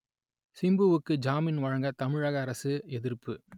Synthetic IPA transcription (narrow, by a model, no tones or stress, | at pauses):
sɪmbɯʋɯkːɯd͡ʒaːmɪnʋɐɻɐŋɡɐt̪ɐmɪɻɐɣɐːɾɐsɯɛðɪɾpːɯ